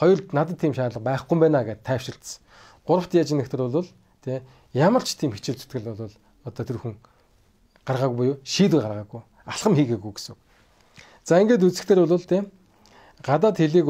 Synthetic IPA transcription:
χɔjɞ̆rnat̪ə̆t̪ʰːiːmʃaːtɮə̆q̚pæːχɡujmpæːnaːɡet̪t̪ʰːæːw̥ʃɪ̆rt̪̆s | ɢ̥ʊɾə̆w̥t̪jat͡ɕɪ̆nĕkt̪ʰĕɾʊɮʊːɮ | t̪ʰe | jamə̆r̥t͡ɕʰt̪ʰiːmxet͡ɕɪ̆ɮt͡s̪u̥t̪ɡɘ̆ɮʊɮʊːɮ | ɔt̪ɔt̪ʰɵɾxɘ̆ŋ | ɢarʁaːɣujpʊjʊːʃiːt̪ujɢarʁaːɣuj | aɬχə̆mxiːxeɣujɡe̥suk | t͡saːeŋɡeːt̪̬ut͡sɘ̆kt̪ʰeːɾʊɮʊːɮt̪ʰe | ɢ̥at̪̬aːt̪xeɮiːk

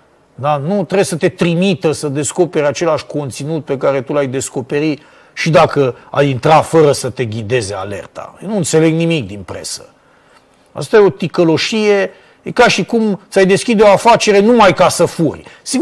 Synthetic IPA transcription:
d̪anut̪ɾesət̪e̞t̪ɾimit̪əsəd̪e̞sko̞pe̞ɾʲat͡ʃe̞laʃko̞nt̪sinut̪̚pe̞kaɾe̞t̪ulajd̪e̞sko̞pe̞ɾi | ʃid̪akəa̰jint̪ɾafəɾəsət̪e̞ɡʲid̪e̞zea̰le̞̰rt̪ʰa̰jenuɨnt̪se̞le̞ɡnimik̚d̪inpɾe̞̰sə̥ | a̰st̪ajeo̞t̪ikəlo̞ʃije̞ | kaʃikumt̪sajd̪e̞skʲid̪eo̞afat͡ʃe̞ɾe̞numajkasəfurʲsi

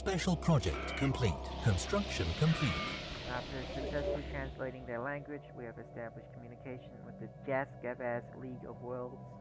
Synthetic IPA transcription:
spɛʃəl̩ˠpʰɹ̥ɒd͡ʒɛ̰k̚tkʰə̃mpʰl̥ḭˑtkʰə̃nstɹ̥ʌkʃə̃nkʰə̃mpʰl̥iˑtæftə˞sɨksɛslˠitʰɹ̥æ̃nsleɪɾɪ̃ŋðə˞læ̃ŋɡwɨd͡ʒwiɨvɨstæblɨʃkʰm̩jʉnɨkʰeɪʃɨ̃nwɨðɨd͡ʒæsɡ̥ɛvæzliɡʌ̰vwɜ˞lˠd

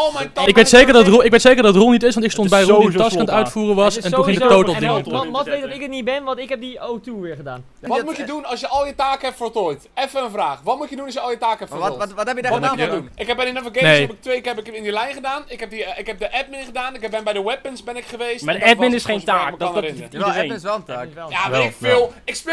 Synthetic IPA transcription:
omɛjɪkʋejttsejkəɹdɔrˠɪkʋejtsejkəɹdɔtrolˠnitɪsʋɔɑntɪkstonbɛjrotːɑsfanətœɥtfuːrəʋɑsɛntuɪŋdəowtlˠdŋmɔtʋejtdɔtɪkətnit̚bɛnʋɔntɪkɦɛp̚diowtuʋɪːɹχədaːn | ʋɔmutjədunɑsjəʔɔlˠjətaːkɛptfəɹtojtɛfəənfraːχʋɔt̚mutjədunɔsjəɔlˠjətaːkəɛpfɔɔtɛpjəʋɔtmuəɔdunɪkhɛpbɛnɪnəvəɡenepɪk̚tʋejkɛpɪkɪndilɛjχədaːnɪkɦɛp̚diɪkhɛp̚dəʔɛp̚mɪnχədaːnɪkɛbɛnbɛjdəwɛpənsbɛnɪkχəʋejstmadəɛpmɪnɪsχẽjntaːkədɔɔnrɪnəidəeːsɛləaːkjaɪkɪlˠɪkspɪ

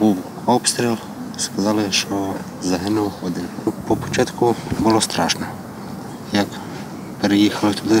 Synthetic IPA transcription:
buw | ɔpst̪ɾʲɛlˠ | skazalɪʃɔ | zɐɦɪnɔwxɔd̪ɪpɔpɔt͡ʃat̪kʊbulˠɔst̪ɾaʃnɛ | jak | pɾɪjixalɪt̪ud̪ɪ

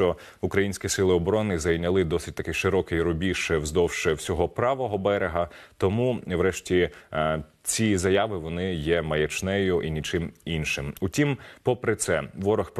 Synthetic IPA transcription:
ɔ | ukɾɐjinʲsʲkʲisɪlˠɪɔbɔɾɔnɪzɐjnʲɐlˠɪd̪ɔsɪtʲt̪ɐkɪjʲʃɪɾɔkɪjɾɔbʲiʃɛwzd̪ɔwʃɛwsʲɔɦɔpɾɑʋɔɦɔbɛɾeɦɐt̪ɔmuʋɾɛʃtʲi | t͡sʲizɐjɑʋɪʋɔnɪjɛmɐjɐt͡ʃnɛjʊʔinʲit͡ʃɪminʃɪmʊtʲimpɔpɾɪt̪sɛʋɔɾɔxp

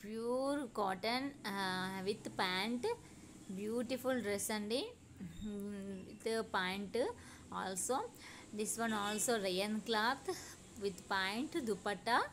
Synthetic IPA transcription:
pjuːɾkɔːʈə̃n | ʋɪt̪pãːɳʈ | bjuːʈifulɾesɐ̃ɳɖi | ʋɪt̪pãːɳʈ | ɔ̰ːlsoː | d̪ɪsʋɐ̃nɔːlsoːɾejɐ̃nklaːt̪ʰ | ʋɪt̪pãɪɳʈd̪upɐʈːa

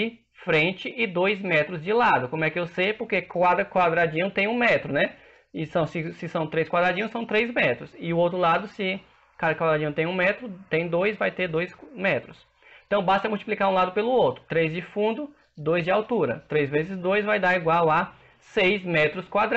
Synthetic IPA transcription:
ɪ | fɾẽt͡ʃɪʔɪd̪ojzmɛt̪ɾʊzd͡ʒɪlad̪ʊkõmʊɛkɪewsejpoɾkekad̪ɾɐkwad̪ɾad͡ʒĩɲʊ̃t̪ẽj̃ũmɛt̪ɾʊnɛ | ɪsɐ̃w̃sɪsɪsɐ̃w̃t̪ɾejskwad̪ɾad͡ʒĩɲʊ̃sɐ̃w̃t̪ɾejzmɛt̪ɾʊsɪʊowt̪ɾʊlad̪ʊsɪ | kad̪ɐkwad̪ɾad͡ʒĩɲ̃t̪ẽj̃ũmɛt̪ɾʊt̪ẽj̃d̪ojzvajt̪eɾd̪ojsmɛt̪ɾʊs | ẽt̪ɐ̃w̃bast̪ɐmulwt͡ʃiplikaɾũlad̪ʊpelʊowt̪ɾʊ̥t̪ɾezd͡ʒɪfũnd̪ʊ | d̪ojzd͡ʒɪawt̪uɾɐ̰t̪ɾejzvezɪzd̪ojzvajd̪aɾiɡwawa | sejzmɛt̪ɾʊskwad̪ɾ

